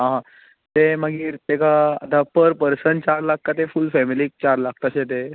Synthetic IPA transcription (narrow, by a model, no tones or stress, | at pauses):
ɦãɦã | t̪emaɡiːɾt̪ekaə̰t̪apəɾpəɾsəɳʈt͡ɕaɾlak̚kat̪efulfɛmiliːk̚t͡ɕaɾlak̚ʰt̪aɕet̪̬e